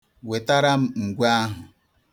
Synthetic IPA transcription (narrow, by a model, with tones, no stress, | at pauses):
we˨ta˦ɾa˦m̩˦ŋ̩˨ɡʷa˦ɦʊ˨